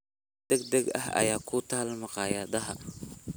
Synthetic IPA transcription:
d̪̥ɐɡd̪ɐɡɐ̰ɦɐ̰jaːkʰut̪ʰaːlmɑqɑːjaːðɐɦɐ

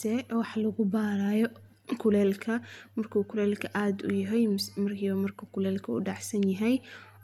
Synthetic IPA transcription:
sɛːwɑħlɐɣʊbaːɾaːjɔ | kʰʊlɛːlkʰɐmɐrkʰuːkʰʊlɛːlkʰɐʔaːd̪ʊ̰jɐɦɛjmɐrkʰiːβɐmɐrkʰɐkʰʊlɛːlkʰɐṵɖɑʕsɐnjɐɦɛj

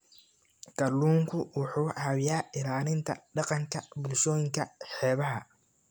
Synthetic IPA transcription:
ɡ̥ɐlːuːŋkʰʊwʊħuːhɐwjaːɪɾaːlɪnt̪ʰɐ̰ɖɑqɑŋkʰɐbʊlʃɔːjɪŋkʰɐħɛːβɐɦɐ

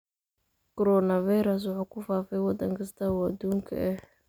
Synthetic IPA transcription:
kʰɔɾɔnɐvajɾɐs̬wʊħuːkʰʊfaːfɛjwɑd̪ɐŋkʰɐst̪ʰɐuɐd̪uːŋkʰɐ̰ʔɛh

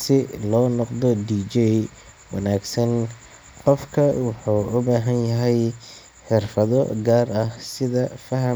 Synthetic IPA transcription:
sɪlɔːnɔqðɔdiːd͡ʒɛ | wɑnaːɡsɐn | qɔfkʰɐwɑħuːʔʊbaːɦɐnjɐɦɛj | ħɪrfɐðɔɡaːrɐhsɪðɐfɐɦɐ

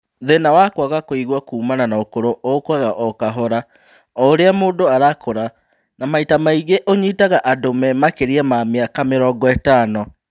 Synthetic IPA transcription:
ðenawakwaɣakoiɣwakuːmananaokoɾoʔokwaɣaʔɔkaɦɔɾa | ɔoɾeamoːdoaɾakʰoɾa | namaitamaiɣeʔoɲitaɣaʔadomɛmakeɾiɛmameakameɾɔːɡɔɛtaːnɔ

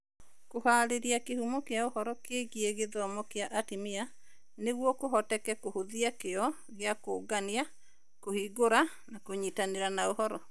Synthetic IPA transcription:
kohaːɾeɾiakehumɔkeaohɔɾɔkeɡieɣeðɔmɔkeaʔatimia | neɣwɔkoɦɔtɛkɛkohoðiakeɔ | ɣeakoːɡania | kohiːɡoɾa | nakoɲitaneɾanaohɔɾɔ

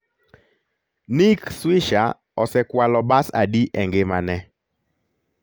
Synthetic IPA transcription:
nikswɪʃa̰ | ɔsɛkwalɔbasa̰ɗiʔɛŋɡemanɛ

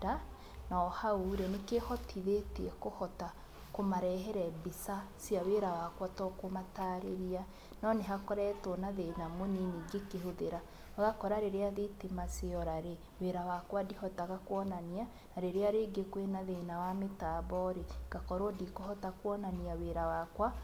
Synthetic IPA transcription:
da | naɔhauɾenekehɔtʰiðeteɛkohɔta | komaɾɛɦɛɾɛbisa | sjaweɾawakwatɔkomataːɾeɾia | nɔneɦakɔɾɛtɔnaðenamoniniɡekeɦoðeɾa | ɣakɔɾaɾeɾeaðetemaseɔɾaɾe | weɾawakwadihɔtaɣakwɔnania | naɾeɾeaɾeɡekwenaðenawametaːbɔɾeɡ̥akɔɾodikohɔtakwɔnaniaweɾawakwa

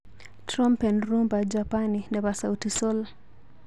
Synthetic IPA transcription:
tɾɔmpɛnɾumbad͡ʒapaninɛβasautisɔl

